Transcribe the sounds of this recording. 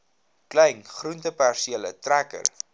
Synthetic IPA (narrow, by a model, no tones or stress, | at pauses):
klɛjnχruntəpærsielə̰trækə̰r